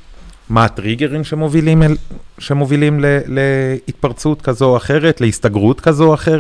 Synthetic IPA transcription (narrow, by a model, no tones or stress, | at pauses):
maːt̪ʁiɡeʁimʃemovilimʃemovilimleleit̪̚paʁt͡sut̪kazoaχe̞ʁet̪leist̪aɡʁutkazoaχe̞ʁ